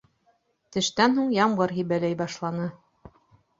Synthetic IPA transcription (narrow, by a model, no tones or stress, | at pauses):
t̪ɘ̆ʃt̪ænɦuɴjɑmɢɤɾɦibælæjbɑʃlˠɑnɤ